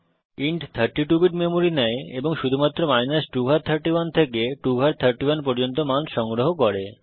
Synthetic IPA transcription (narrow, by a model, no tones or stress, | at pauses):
iɳʈt̪ʰəɾʈiʈubiʈmemoɾinɛeeboŋʃud̪ʱumat̪ːɾomajnasʈuɡʱaɾt̪ʰəɾʈiwant̪ʰekeʈuɡʱaɾt̪ʰəɾʈiwanpɔɾd͡ʑont̪omanʃɔŋɡɾoɦokoɾe